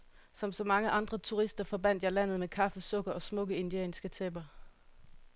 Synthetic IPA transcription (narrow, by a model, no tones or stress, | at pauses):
sɒ̽msɒ̽mɑ̈ŋəʔɑ̈nd̥ʁɐt͡sʰuʁisd̥ɐfɒ̽b̥æn̰d̥jɑ̈ɪlæn̰ð̩ˠmekʰɑ̈fəsɔ̽ɡ̥ɐɒ̽smɔ̽ɡ̥əe̝nd̥iḛːnsɡ̥ət͡sʰeb̥ɐ